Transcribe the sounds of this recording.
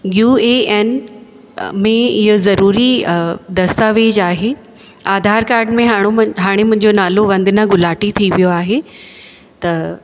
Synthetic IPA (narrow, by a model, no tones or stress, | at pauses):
ɡjuːeːeːn | mẽɪɦozɐɾuːɾid̪ɐst̪aːʋeːd͡ʑaːɦe | aːd̪ʱaːɾkaːɾɖmẽɦaːɽ̃ɦaːɽ̃emʊ̃ɦɪ̃ɲd͡ʑonaːloʋɐ̃nd̪ʱɪnaɡʊlaːʈit̪ʰiʋijoaːɦe | t̪ɐ